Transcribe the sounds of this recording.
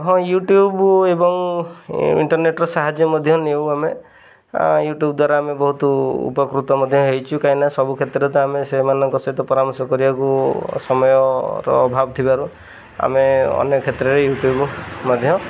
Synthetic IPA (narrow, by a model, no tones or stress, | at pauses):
ɦɔ̃juʈjubebɔŋ | ḭɳʈɔɾneʈɾɔsaɦad͡ʒjɔmɔd̪ʱjɔnewame | juʈjubd̪waɾaːmebɔɦut̪ɔṵpɔkɾut̪ɔmɔd̪ʱjɔɦejt͡ʃʰukaĩnasɔbukʰet̪ɾɔt̪ɔamesemanɔŋkɔsɔit̪ɔpɔɾamɔsɔkɔɾibakusɔmɔjɔɾɔ̰ːbʱabɔt̪ʰibaɾu | a̰meɔ̰njɔkʰet̪ɾɔɾejuʈjubmɔd̪ʱjɔ